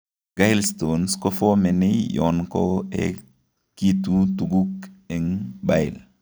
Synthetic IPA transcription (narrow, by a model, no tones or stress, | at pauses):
ɡ̥ajlst̪onskɔfɔmɛnijɔ̰nko̰ɛ̰ | kit̪ut̪uɡukɛŋbajl